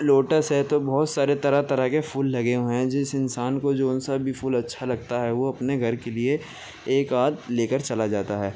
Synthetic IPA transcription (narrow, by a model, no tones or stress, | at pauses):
loːʈəsɦɛt̪obɔɦʊt̪saːɾet̪ɐɾat̪ɐɾəɦkefuːlːɐɡeõɦɛ̃d͡ʒɪsɪnsaːnkod͡ʒoːʊnsabbʱifuːlɐtːʃʰalɐɡ̚t̪aɦɛʋoɐpneɡʱɐɾkelie | eːkaːd̪leːkəɾt͡ʃɐlad͡ʒaːt̪aɦɛː